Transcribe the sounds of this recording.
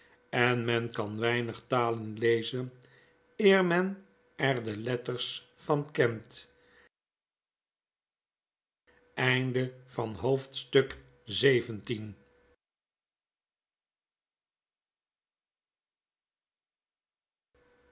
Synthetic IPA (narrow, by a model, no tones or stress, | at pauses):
ɛnmɛnkɑnʋɛjnəχtaːlənlejzən | ɪːɹmɛn | ɛrdəlɛtərs | fɑnkɛnt | ɛjndəvɑnɦowftstɵk | zejvəntin